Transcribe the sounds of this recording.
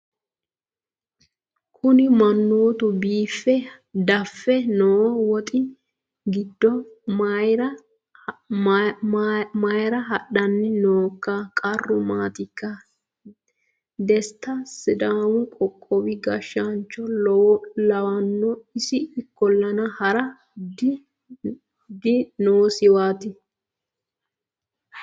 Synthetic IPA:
kʰʊnɪmɐnːoːt̪ʊbiːfːɛ | d̪ɐfːɛnowɔwɔt̪ʼɪ | ɡɪd̪ːɔ | ɾɐ | mɐjɾɐɦɐɗːɐnːɛnoːkːɐkʼɐrːʊmaːt̪ɪkːɐ | d̪ɛst̪ːɐsɪd̪aːwʊkʼɔkʼːɔwɪɡɐʃːant͡ʃːɔ | lɐwɐnːɔɪsɪɪkːɔlːɐnɐhɐɾɐ | d | d̪ɪnoːsɪwaːt̪ɪ

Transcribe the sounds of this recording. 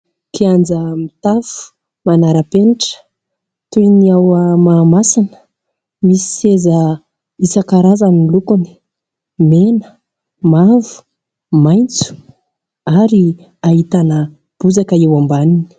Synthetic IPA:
kʰiand͡zəmit̪afu̥ | manaɾapeniʈ͡ʂə̥ | t̪ujniawəmaːmasanə̥ | misi̥sezə | isakaɾazanilukuni̥ | menə̥ | mavu̥ | majnt͡su̥ | aɾi | aɦit̪anə | b̥uzakəewambanini̥

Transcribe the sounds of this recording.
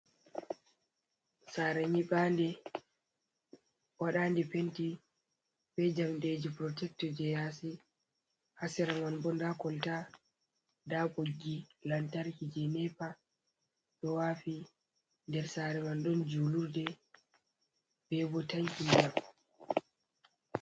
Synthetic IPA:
saːɾɛɲiɓaːndɛ | waɗaːndɛpenti | bɛd͡ʒamɗed͡ʒipɾɔtɛk̚tɔd͡ʒɛjasi | hasɛɾamanbɔndakɔlta | daɓoɡːilantaɾkid͡ʒɛnɛpa | ɗɔwaːfi | ndɛɾsaːɾɛmanɗɔnd͡ʒuluɾdɛ | b̥ɛbɔtaŋkid͡ʒam

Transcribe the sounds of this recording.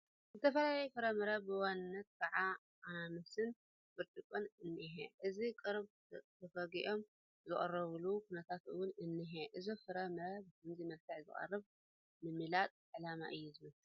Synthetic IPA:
zzɨt̪ʰɐfɐlajɐjfɨɾɐmɨɾɐbɨwanːɐt̪̚kʰaʕa | ʔanamɐsɨn | bɨɾt̪ʼɨkʼɨnɨnːɨɦeʔɨzikʼɨɾβ | t̪ʰɐfɐɡiʔo̞m | zɨχʼɐ̰rɐβlukʰunɐt̪ʰat̪ʔɨ̰wʊnɨnːɨɦeʔɨzifɨɾɐmɨɾɐβkʰɐmzimɐft̪ʰɨħzɨ̰χʼɐ̰rːɨβ | mɨmːɨlat̪ʼʕɨlama̰ʔɨjːuzɨmɐ

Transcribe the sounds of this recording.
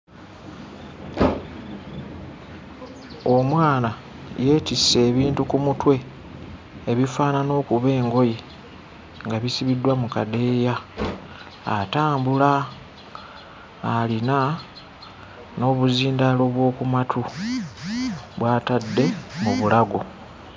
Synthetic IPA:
o̞mwaːna | je̞ːtisːe̞ːβiːntukumutwe̞ː | βifaːnano̞ːkuβe̞ːŋɡo̞je | ŋɡaβisiβidːwamukade̞ja | taːmbula | lina | no̞βuziːndalo̞βwo̞ːkumatʰu | βwaːtadːe̞muβulaɡo̞

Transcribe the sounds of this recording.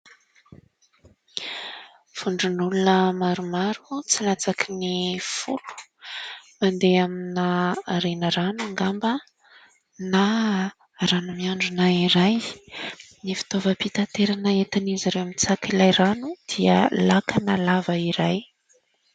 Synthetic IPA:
fuɳɖ͡ʐunulunəmaɾumaɾut͡silat͡sakinifulu̥ | mand̪eaminaɾenəɾanuŋɡambə | na | ɾanumiaɳɖ͡ʐunaiɾaj | nifi̥t̪ovəpit̪ant̪eɾanəet̪anizaɾewamit͡sakilajɾanud̪̥iə̰lakanəlavəiɾaj

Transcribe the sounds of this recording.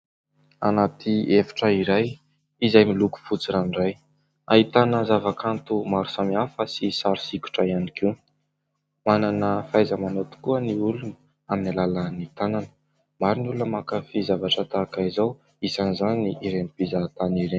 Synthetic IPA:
a̰nat̪ʰiefi̥ʈ͡ʂəiɾaj | izajmiluku̥fut͡siɾaniraj | a̰ɦit̪anəzavakant̪umaɾu̥samiafəsisaɾi̥siku̥ʈ͡ʂaianikʰiw | mananəfajzəmanot̪u̥kuəniulunə | aminilalənit̪ananə̥ | maɾinulunəmakafizavaʈ͡ʂət̪akaizaw | isanizaniiɾenipizat̪aniɾen

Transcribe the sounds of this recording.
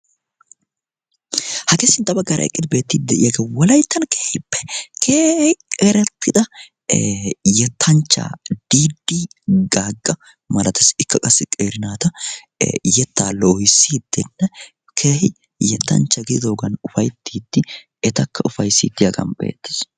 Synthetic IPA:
hɐkɛsɪnt̪ʼːɐbɐɡːɐɾɐ̰ɛ̰kʼːɪd̪ɪbe̞ːt̪ːiːd̪̚d̪ɛʔɪjɐɡewɔlɐjt̪ːɐnkeːhɪpːɛ̥kʰeːhɪkʼɛɾɛt̪ʰːɪd̪ɐ | jɛt̪ʰːɐnt͡ʃːa̰ːd̪̥iːd̪ːiɡaːɡʼːɐ | mɐlɐt̪ɐsɪkːɐkʼɐsːɪkʼeːɾɪnaːt̪ɐ | jɛt̪ːaːloːhɪsːiːd̪ːɛnːɛ | kʰeːhɪ | jɛt̪ːɐ̰nt͡ʃːɐɡɪd̪oːɡɐnʊfɐjt̪ʰːiːd̪ːɪ | ɛt̪ɐkːɐʊfɐjsḭːt̪ːɪjɐɡɐ̰nbḛːt̪ːɪ̥s

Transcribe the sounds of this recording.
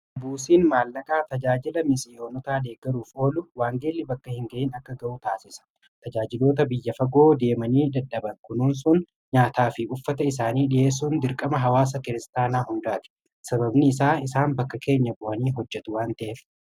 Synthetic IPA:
buːsiːnmaːlːɐkʼaːt̪ɐd͡ʒaːd͡ʒɪlɐmɪsɪo̞ːnɔt̪aːd̪eːɡɐɾuːfo̞ːlʊwaːŋɡeːlːɪbɐkːɐhɪŋɡɐʔiːnɐkːɐɡɐʔut̪aːsɪsɐ̥ | t̪ɐd͡ʒaːd͡ʒɪlo̞ːt̪ɐbɪjːɐfɐɡo̞ːd̪e̞ːmɐniːd̪ɐᶑːɐbɐŋkʊnuːnsʊn | ɲaːt̪aːfɪʊfːɐt̪ɐɪs̬aːniːᶑɪje̞ːs̬ːuːnd̪ɪɾkʼɐmɐɦɐwaːs̬ɐkɪɾɪst̪aːnaːɦʊnd̪aːt̪ɪ̥ | sɐbɐbnɪːsaːɪsaːnbɐkːɐkʰe̞ːɲːɐkʼʊɐniːɦɔd͡ʒːɛt̪ʊwaːnt̪ɐʔeːf

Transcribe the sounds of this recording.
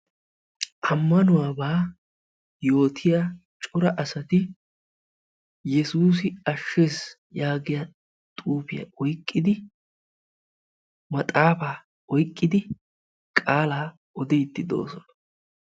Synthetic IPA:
ʔɐmːɐnʊwaːbaː | jo̞ːt̪ʰɪjaːt͡ʃʼʊɾɐʔɐsɐt̪ɪ | jɛsuːs̬ɪɐʃːeːs | jaːɡɪja | t̪ʼuːfɪja̰ʔɔjkʼːɪd̪ɪ | mɐt̪ʼaːfaː | ɔjkʼːɪd̪ɪ | kʼaːlaː | ɔd̪ɛjt̪ːɪd̪o̞̰ːsɔnɐ̥

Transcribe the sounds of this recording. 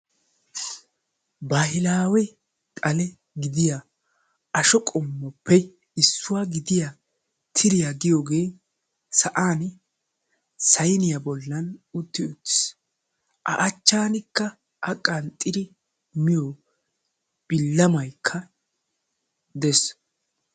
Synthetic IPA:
bahɪlaːwɛ | t̪ʼɐlɛ | ɡɪd̪ɪja | ɐʃɔkʼɔmːɔpːɛ | ɪsːʊwaɡɪd̪ɪja | t̪ʰɪɾɪjaɡɪjoːɡe̞ː | sɐʔaːn | sɐjnɪjabɔlːɐnʊt̪ːɪʊtːs | ʔɐ̰ʔɐt͡ʃːaːnɪkːɐ | ʔɐkʼːɐnt̪ʼːɪɾɪ | mɪjo | b̥ɪlːɐmɐjkʰːɐ | d̪ɛs

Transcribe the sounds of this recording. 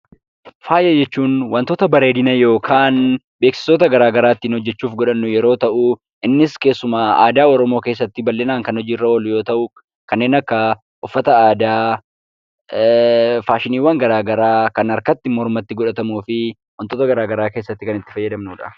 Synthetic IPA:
faːjɐd͡ʒɛt͡ʃːuːnwɐnt̪oːt̪ɐbɐɾeːd̪ɪnɐjo̞ːkʰaːn | be̞ːksɪ̥soːt̪ɐɡɐɾaːɡɐɾaːt̪ːiːnhɔd͡ʒːɛt͡ʃːuːfɡɔᶑɐnːʊjɛɾo̞ːt̪ɐʔʊ | ʔɪnːɪske̞ːsːʊmaːaːd̪aːɔɾɔmo̞ːke̞ːs̬ːɐt̪ːɪbɐlːɛnaːŋkɐnhɔd͡ʒiːrːɐwɐlʊjo̞ːt̪ɐʔʊ | kɐnːe̞ːnɐkːɐ | ʔʊfːɐt̪ɐaːd̪aː | faːʃɪniːwɐŋɡɐɾaːɡɐɾaːkɐnɐɾkɐt̪ːɪmɔɾmɐt̪ːɪɡɔᶑɐt̪ɐmuːfɪ | wɐnt̪oːt̪ɐɡɐɾaːɡɐɾaːke̞ːsːɐt̪ːɪkɐnɪt̪ːɪ̥fɐjːɐd̪ɐmnuːᶑɐ̰

